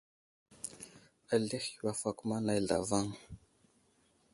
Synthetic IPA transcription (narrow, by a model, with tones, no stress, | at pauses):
a˨ɮi˦xwa˦fa˨ku˦ma˦na˨˦jɮa̰˨va˦ŋ